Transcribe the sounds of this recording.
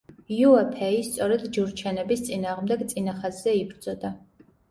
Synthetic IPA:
juɛpʰɛist̪sʼɔɾɛd̪d͡ʒuɾt͡ʃʰɛnɛbist̪t͡s̪ʼinaːʁmd̪ɛɡt̪t͡s̪ʼinaχazːɛibɾzʼɔd̪a

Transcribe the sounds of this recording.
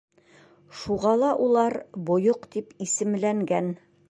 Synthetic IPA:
ʃuʁɑlˠɑʔulˠɑɾbŏjoqt̪ipisɘ̆mlæŋɡæn

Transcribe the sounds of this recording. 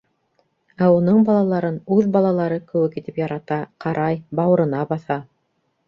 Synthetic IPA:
æunɤɴbɑlˠɑlˠɑɾɤnʉðbɑlˠɑlˠɑɾɤkɘ̆wɘkit̪ɘpjɑɾɑt̪ɑqʰɑɾʔɑjbɑwɤ̆ɾɤ̆nɑbɑθɑ

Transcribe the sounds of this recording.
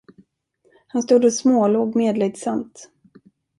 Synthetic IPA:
hanst̪uːd̪ɔsmoːloːɡmeːd̪lɛɡ̚t̪samt̪

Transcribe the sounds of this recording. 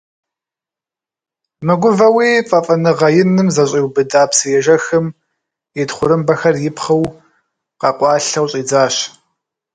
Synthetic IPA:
mɨɡʷʊvɐwiːfʼɐfʼɐnɨʁɐjɪnɨmzɐɕʼiwbɨdaːpsɨjɛʒɐxɨm | jɛdχʷʊɾɨmbɐxɐrjɪpχɐw | qɑqʷɑːɬɐwɕʼiːd͡zaːɕ

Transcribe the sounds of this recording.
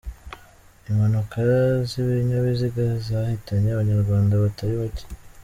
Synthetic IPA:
imhanukaziβiɲaβiziɡazahitaɲeaβaɲaɾɡwaːndaβataɾiβaci̥

